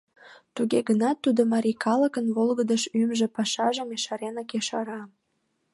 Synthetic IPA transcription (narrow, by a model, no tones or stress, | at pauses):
t̪uɣeɣənɑt̪ːud̪omɑɾikʰɑləkənβolɣəd̪əʃymʒĕpɑʃɑʒəmeʃɑɾenɑkeʃɑɾɑ